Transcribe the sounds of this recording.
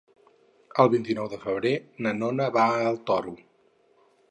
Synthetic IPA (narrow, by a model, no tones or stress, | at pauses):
əlˠβint̪inɔwðəfəβɾenənonəβalˠt̪ɔru